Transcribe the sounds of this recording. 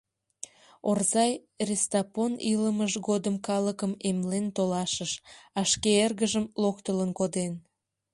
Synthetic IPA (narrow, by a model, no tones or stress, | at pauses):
orzɑj | rest̪ɑponiləməʒɣod̪əmkɑləkəmemlent̪olɑʃəʃɑʃkeerɣəʒəmlokt̪ələnkod̪en